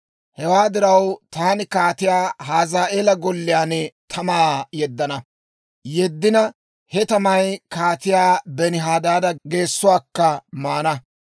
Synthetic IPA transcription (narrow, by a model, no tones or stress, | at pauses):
hɛwaːd̪ɪɾɐwt̪aːnɪkaːt̪ɪjaːɦaːzaːʔeːlɐɡɔlːɪjaːnɛt̪ʰɐmaːjɛd̪ːɐnɐ | jɛd̪ːɪnɐ | hɛt̪ɐmɐjkaːt̪ɪjaːbɛnɪɦaːd̪aːd̪ɐɡe̞ːsːʊwaːkːɐmaːnɐ